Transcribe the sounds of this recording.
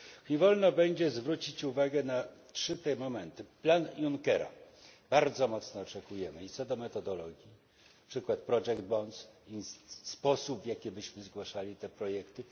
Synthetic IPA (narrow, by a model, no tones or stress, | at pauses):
ɲɛvɔlnɔbɛɲd͡ʑɛzvɾut͡ɕit͡ɕuvaɡɛnatʂɘt̪ɛmɔmɛnt̪ɘplanjuŋkɛɾɔ̰ | b̥aɾd̪zɔmɔt̪snɔːt͡ʂɛkujɛmɘit̪sɔd̪ɔmɛt̪ɔd̪ɔlɔɡʲji | pʂɘkwat̪̚pɾɔʐɛɡd̪̚bɔnsispɔsubvʲjakʲibɘɕmɘzɡwaʂalʲit̪ɛpɾɔjɛkt̪ɘ